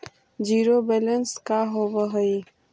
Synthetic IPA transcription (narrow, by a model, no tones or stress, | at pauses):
d͡ʒiːɾobɛːlənskaɦoːbəɦoi